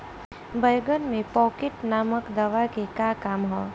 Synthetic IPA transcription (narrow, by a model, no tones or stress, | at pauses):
bəjɡənmẽpɔkeʈnaməkd̪əʋakekakamɦɔ